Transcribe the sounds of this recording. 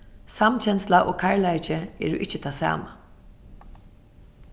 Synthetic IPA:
samt͡ʃʰɛnslaʔoːkʰaɹlajt͡ʃɪɛ̰ːɹʊʔɪht͡ʃːɪt̪ʰaːsa̰ːma

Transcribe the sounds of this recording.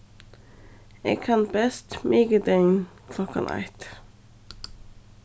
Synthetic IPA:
ḛːkʰɑnbɛst̪mʔeːɡəd̪eɪn | kʰlɔkʰə̰nʔɑ̰ɪt̪

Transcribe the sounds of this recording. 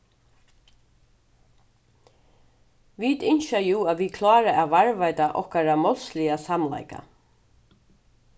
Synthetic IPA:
ʋit̪ɪnʃajuːaʋikʰlɑːɾaʔæːʋaɹvajt̪aʔɔ̰hkaɾamɔlslɪasamla̰jka̰

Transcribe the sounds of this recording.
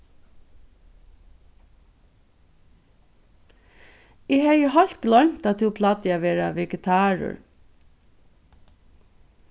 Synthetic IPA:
eːhɑːjəhɑlt̪̚ɡlœmt̪ɑt̪̚hʉːpʰlɑd̪əɑʋeːɹɑʋɛɡət̪ʰɑːɹʊ̰ɹ

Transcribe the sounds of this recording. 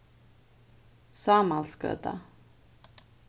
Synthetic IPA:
saːmalskœ̰d̪a̰

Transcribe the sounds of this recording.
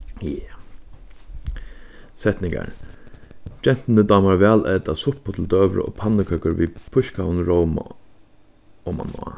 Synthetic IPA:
jɛ | sɛt̪nɪŋka̰ɾ | d͡ʒɛn̥t̪nəd̪aːmaɾvɛːlɛːt̪asʊpʊt̪ʰɪl̩d̪øːʋɾə̰ɔ̰ːpʰanːəkʰœkəɾvipʰʊʃkaʊnɾowma̰ | ɔma̰nɔ̰a̰

